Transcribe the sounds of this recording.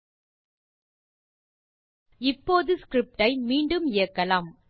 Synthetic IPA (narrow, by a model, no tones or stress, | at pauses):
ɪpːoːðɯskɾɪp̚ʈɐɪmiːɳɖɯmɪjɐkːɐlaːm